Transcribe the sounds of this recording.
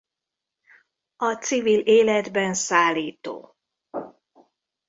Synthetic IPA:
ɒt̪sivileːlɛd̪bɛnsaːlːiːt̪o̰ː

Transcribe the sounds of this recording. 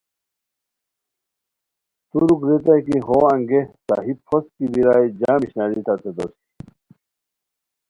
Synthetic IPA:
t̪uɾukɾet̪̬ajkiɦoaŋɡesa̰ɦipʰɔskibiɾaːjd͡ʑaːmiɕnadit̪at̪ʰet̪o̰si̥

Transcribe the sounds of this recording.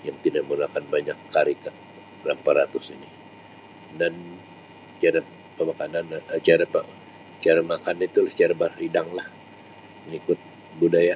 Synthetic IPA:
jaŋt̪idaʔmulakanbaɲakʰːaɾika | lampaɾat̪usini | dan | t͡ʃaɾa | pəmakanant͡ʃaɾapa | t͡ʃaɾamakanit̪ulsə̥t͡ʃaɾabaɾidaŋlah | məŋikʊt̪̚ | budaja

